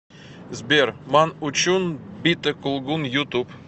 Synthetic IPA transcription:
zbʲeɾmɑnut͡ɕunbʲit̪əkʊlˠɡunjut̪up

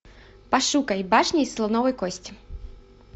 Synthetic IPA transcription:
pɐʂukɐjbaʂnʲejslˠɔnɔvɔjkɔsʲtʲɪ̥

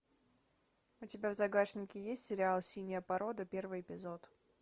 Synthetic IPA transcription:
ʊtʲɪbʲavzɐɡaʂnʲɪkʲɪjesʲtʲsʲɪɾʲɪalˠsʲinʲɪjəpɐɾo̞d̪əpʲervɨjɪpʲɪzo̞t̪

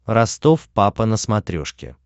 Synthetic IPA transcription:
rɐst̪ofpapənəsmɐt̪ɾʲo̰ʂkʲɪ̰

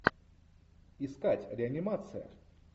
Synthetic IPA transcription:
ɪskatʲɾʲɪɐnʲɪmat̪sɨjə̰

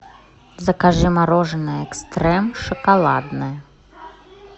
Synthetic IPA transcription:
zɐkaʐɨmaɾɔʐnɐɛkst̪ɾɛmʂɐkalˠad̪nɐjɐ

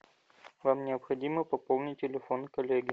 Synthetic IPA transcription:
vamnʲɪəpxɐdʲiməpɐpolˠnʲɪt̚ʲtʲːɪlʲɪfo̞nkɐlʲeɡʲɪ

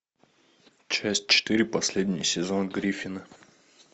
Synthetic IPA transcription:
t͡ɕæsʲt̚ʲt͡ɕɪ̥t̪ɨɾʲipɐsʲlʲed̪ʲnʲɪjsʲɪzonɡɾʲifʲinə

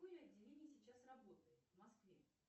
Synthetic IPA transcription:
ɨjəɐdʲːɪlʲenʲɪjsʲɪt͡ɕasrɐbo̞t̪əjɪt̪vmɐskvʲe

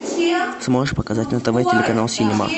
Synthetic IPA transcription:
smoʐɨʂpəkɐzatʲnət̪ɐvajtʲɪlʲɪkɐnalˠsʲɪnʲɪma̰

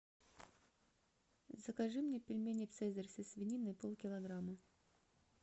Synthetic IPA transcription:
zəkɐʐɨmnʲepʲɪlʲmʲenʲɪfsɛzərʲsʲɪsʲvʲɪnʲinɨpolˠkʲɪlˠɐɡɾamɨ

